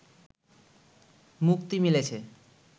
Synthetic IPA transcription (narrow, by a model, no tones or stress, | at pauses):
mukt̪imilet͡ɕʰe